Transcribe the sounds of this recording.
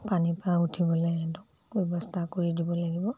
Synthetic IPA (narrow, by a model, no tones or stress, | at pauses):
panipɹautʰibɔlɔjadʊk | bɛbɔstʰakoɹidibɔlaɡibɔ